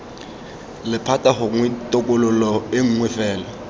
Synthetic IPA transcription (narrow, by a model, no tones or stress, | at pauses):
lɪpʰatʼahʊŋwɪtʼʊkʼʊlʊlɔeŋ̩ŋwɪfɛːlɔ